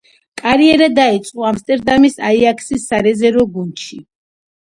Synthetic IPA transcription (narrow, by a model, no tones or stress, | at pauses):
kʼaɾiɛɾad̪ait̪sʼqʼɔamst̪ʼɛɾd̪amisaiakʰsisːaɾɛzɛɾɔɡunt̪ʃi